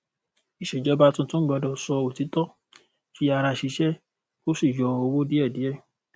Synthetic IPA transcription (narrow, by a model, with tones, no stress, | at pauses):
i˨ʃe˨d͡ʒɔ˦ba˦tũ˧˦tũ˦ɡ͡bɔ˧dɔ˨sɔ˧o˨ti˨˦tɔ˦ | fi˧˦a˧ɾa˧ʃi˨˧˦ʃɛ˦ | o˦si˦˨jɔ˧o˧wo˦di˦ɛ˦˨di˨˦ɛ˦˨